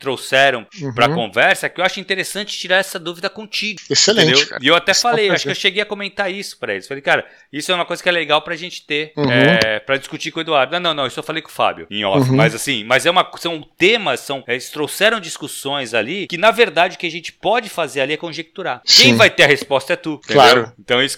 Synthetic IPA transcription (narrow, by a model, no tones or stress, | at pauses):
t̪ɾowsɛɾɐ̃w̃pɾɐkõvɛɾsɐkɪewaʃʊĩnt̪eɾesɐ̃nt͡ʃɪ̥t͡ʃiɾaɾɛsɐd̪uvid̪ɐkõt͡ʃiɡʊeselẽd̪ewka̰iewat̪ɛfalejewaʃʊkkewʃeɡejɐkomẽnt̪aɾisʊ̥pɾɐelɪsfalejkaɾɐ | isʊɛumɐkojzɐkɪɛleɡawpɾɐʒẽnt͡ʃɪ̥t̪eɛpɾɐd͡ʒiskut͡ʃikõed̪uaɾd̪ʊnɐ̃w̃nɐ̃nɐ̃w̃isʊewfalejkõfa̰bjʊ̰ẽɔ̰mɐzasĩmɐzɛũmɐsɐ̃w̃t̪ẽmɐsːɐ̃w̃ɛlɪst̪ɾowsɛɾɐ̃w̃d͡ʒiskusõj̃zalikɪnɐveɾd̪ad͡ʒɪʊkɪaʒẽnt͡ʃɪ̥pɔd͡ʒɪfazeɾaliɛkõʒek̚t̪uɾakẽj̃vajt̪eɾɐhespɔst̪ɐɛt̪ut̪ẽlad̪eɾʊĩnt̪ɐ̃w̃isʊ̥